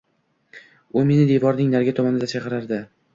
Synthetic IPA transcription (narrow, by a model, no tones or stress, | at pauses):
ʊme̞nɪd̪evɒɾnɪŋnaɾɡʲat̪ʰɒmanɪd̪asaqɨɾaɾd̪ɪ